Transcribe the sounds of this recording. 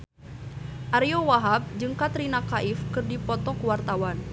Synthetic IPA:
ʔaɾiowaɦab̚d͡ʒɨŋkat̪ɾinakaʔɪfkɨrdipɔt̪ɔkəwart̪awan

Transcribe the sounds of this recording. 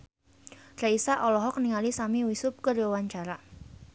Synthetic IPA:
raisaʔɔlɔɦɔk̚niŋalisamiwisʊp̚kəriwawaɲt͡ʃaɾa

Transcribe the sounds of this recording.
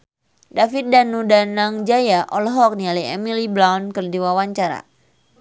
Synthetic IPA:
dafit̪̚danudanaŋd͡ʒajaʔɔlɦɔk̚nialiɛmilibɾawnkɨrdiwawaɲt͡ʃaɾa̰

